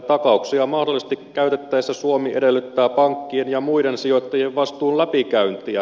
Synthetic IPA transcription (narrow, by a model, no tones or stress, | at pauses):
t̪ɑkɑuksiɑmɑhdo̞lːˑise̥st̪ikːæyt̪e̞t̪ːæjesːæsuomiʔedelːyt̪ːæːpɑŋkːienjɑmuidensio̞t̪ːɑjieʋʋɑst̪uːnlæpikæynt̪iæ̰